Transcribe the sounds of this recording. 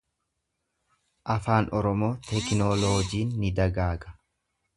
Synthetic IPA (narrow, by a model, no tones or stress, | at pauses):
ʔɐfaːnʔɔɾɔmoːt̪ɛknoloːd͡ʒiːnːɪd̪ɐɡaːɡɐ̥